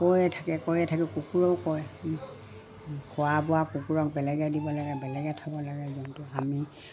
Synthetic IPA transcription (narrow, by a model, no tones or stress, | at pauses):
kojɛtʰakɛkojɛtʰakɛkukuɹɔkɔj | kʰʊwabɔwakukuɹɔk̚bɛlɛɡɛdibɔlaɡɛbɛlɛɡɛtʰɔbɔlaɡɛzɔntʊami